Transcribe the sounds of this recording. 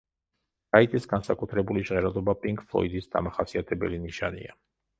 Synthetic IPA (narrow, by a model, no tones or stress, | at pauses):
zait̪ʼisɡansakʼut̪ʰɾɛbuliʒʁɛɾad̪ɔbapʼiŋkʼflˠɔ̰id̪isd̪a̰maχasiat̪ʰɛbɛ̰liniʃanḭa